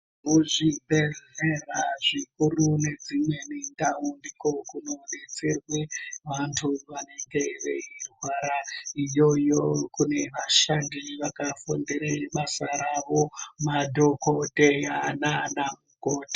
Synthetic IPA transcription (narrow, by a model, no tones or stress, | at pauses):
muʐibʱeɮeraʐikurune̞d͡zimwe̞nindaumbiko̞kuno̞ne̞t͡se̞rwe̞ʋantʰuʋane̞ŋɡe̞ʋḛirwaɾaijo̞jokune̞ʋaʃandiʋakafondeɾeiɓasaɾaʋo̞madʱo̞kote̞jananamukoːtḁ